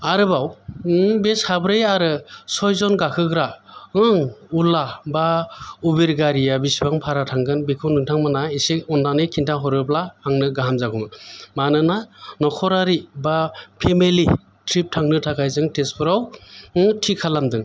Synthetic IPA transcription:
aɾɯbaw | beshabɾɯjaɾɯsɔjzɔnɡakʰɯɡɾaɯŋulabaubeɾɡaɾijabisibaŋpʰaɾatʰaŋɡɯnbikʰɔnɯŋtʰaŋmanaiseɔndanɯkʰintʰaɦɔɾɯplaaŋnɯɡaɦamzakʰɔŋamanɯnanɔkʰɔɾaɾibapʰemeli | tʰɾip̚tʰaŋnɯtʰakʰajzɯŋtespʰɯɾawɯtʰikʰalamdɯŋ

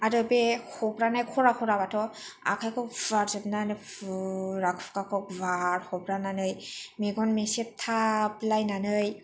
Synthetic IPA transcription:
aɾɯbehɔbɾanajkʰɔɾakʰɔɾabatʰɔa̰kʰajkʰɔkvaɾzɯpnanɯ | ɾakʰɔ̥pkakʰɔk̚vaɾhɔbɾananɯjmeɡɔnmesep̚tʰaplajnanɯj

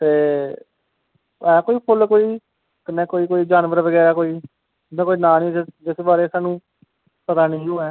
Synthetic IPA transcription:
t̪eː | ɛːkoːiːpʰʊlkoːiː | kɪnẽːkoːiːkoːiːd͡ʒaːnʋəɾʋəɡɛːɾaːkoːiː | nẽkoːiːnaːnĩːd͡ʒɪsbaːɾeːsaːnũː | pət̪aːnẽːoːɛː

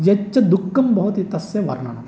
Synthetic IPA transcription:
jɐt͡ʃːɐd̪ukːɐmbɐɦut̪it̪ɐsjɐʋɐ̰ɾna̰ːnɐ

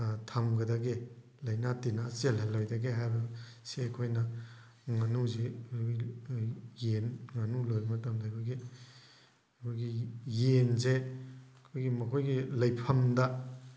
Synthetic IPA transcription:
tʰɐmɡɐdɐɡe | lɐjnatinaselɦɐlojdɐɡeɦajbɐsekʰojnɐ | ŋɐnuzei | jenŋɐnulojmɐtɐmdabʰɐɡi | kʰojɡijenzeɐkʰojɡimɐkʰojɡilɐjpʰɐmdɐ

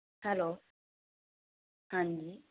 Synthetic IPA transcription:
halo | hãndi

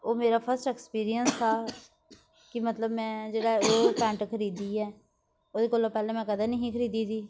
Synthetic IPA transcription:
oːmeːɾaːpʰəɾsʈɛːkspiːɾijənsaː | kɪmət̪ləbmɛ̃ːd͡ʒeːɽaːoːpɛ̃ːɳʈkʰəɾiːd̪iːɛː | oːd̪eːkoːloːpɛːlɛ̃ːmɛ̃ːkəd̪aːnəɦĩːkʰəɾiːd̪iːsiː

